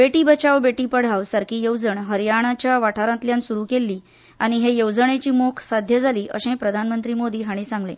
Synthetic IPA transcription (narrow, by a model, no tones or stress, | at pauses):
beʈiːbət͡ɕaʋbeʈiːpəɽ̤aʋsəɾkiːjowd͡zəɳɦəɾjaɳ̃at͡ɕjaʋaʈʰaɾãt̪ljãnsuɾuːkelːiː | aɽ̃iɦejowd͡zəɳet͡ɕiːmokʰsad̪ʱjəd͡zʱaliːʔə̰ɕẽpɾəd̪ʱanmənt̪ɾiːmod̪iːɦaɽ̃isãŋɡlḛ̃